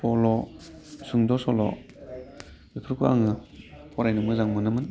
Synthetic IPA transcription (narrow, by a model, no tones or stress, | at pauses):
pɔlɔsɯŋdɔsɔlɔ̰ | dɯpʰɯɾkʰɯa̰ŋɯpʰɔɾajnɯmɯzaŋmɯnɯmɯn